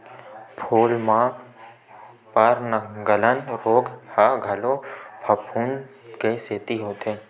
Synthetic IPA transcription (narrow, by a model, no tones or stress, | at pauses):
pʰoːlmã | pəɾnəɡələnɾoːɡhaɡʱəlopʰəpʰuːnkeseːt̪iɦoːt̪eː